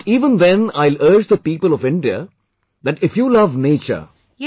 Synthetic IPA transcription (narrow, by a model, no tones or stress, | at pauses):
iːʋə̃nd̪ɛ̃naɪləɾd͡ʒd̪əpiːpəlɔʋɪ̃ɳɖiə̰ | d̪æʈɪfjuːlʌʋneːt͡ʃə̰ɾ